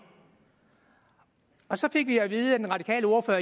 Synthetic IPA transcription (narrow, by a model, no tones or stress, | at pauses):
ɒ̽sɒ̽fe̝ɡ̥ʋiæʋiːð̞̩ˠə̥enʁɑ̈d̥i̥kʰɛ̰ːləo̝ɐføɐ